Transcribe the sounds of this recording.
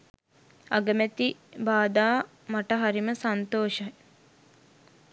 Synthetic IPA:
a̰ɡəmæt̪ibaːd̪aː | maʈəɦaɾiməsant̪oːʃɐj

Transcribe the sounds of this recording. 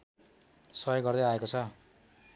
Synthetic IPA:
sʌjoɡʌrd̪ʌjaekot͡sʰʌ

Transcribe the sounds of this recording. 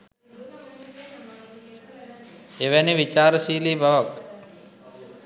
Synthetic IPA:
eʋæniʋit͡ʃaːɾəsiːliːbaʋak

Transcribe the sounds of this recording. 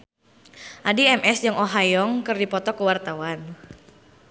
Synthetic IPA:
ʔadiɛmʔɛsd͡ʒəŋʔoɦajɔŋkɨrdipɔt̪ɔkəwart̪awan

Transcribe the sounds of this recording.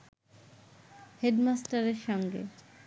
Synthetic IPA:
heɖmasʈaɾeɾʃɔŋɡḛ

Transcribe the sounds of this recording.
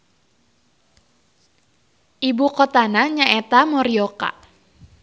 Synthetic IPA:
ʔibukɔt̪anaɲaʔet̪amɔɾioka̰

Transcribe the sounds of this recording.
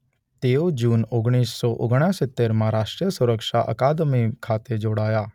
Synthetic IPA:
t̪eːod͡ʒuːnoɡɽ̃iːssɔʔo̰ɡɽ̃asɪt̪ːeːɾmãɾaːʃʈɾijəsʊɾəkʃaʔə̰kaːd̪mikʰaːt̪ed͡ʒoːɽaːjaː

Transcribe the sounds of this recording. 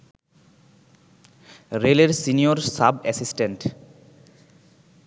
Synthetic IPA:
ɾeleɾsinioɾsabɛsisʈeɳʈ

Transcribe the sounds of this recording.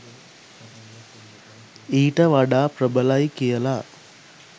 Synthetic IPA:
iːʈɐʋaɖaːpɾəbəlajkijɐla

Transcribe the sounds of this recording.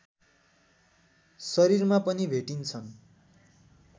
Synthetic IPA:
sʌɾiɾmapʌnibʱeʈint͡sʰʌn

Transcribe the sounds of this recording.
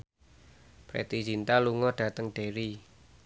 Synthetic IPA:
pɾḛt̪id͡ʒint̪aluŋɔɖ̥ä̤t̪əŋɖ̥eɾi

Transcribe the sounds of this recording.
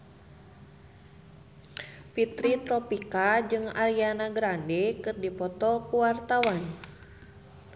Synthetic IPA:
fit̪ɾit̪ɾɔpikad͡ʒɨŋaɾianaɡɾandekɨrdipɔt̪ɔkuwart̪awan

